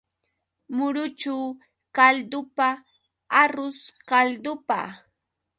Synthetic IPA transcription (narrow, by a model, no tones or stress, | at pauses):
mʊɾʊt͡ʃaw | kald̪ʊpa | aɾʊskald̪ʊpa̰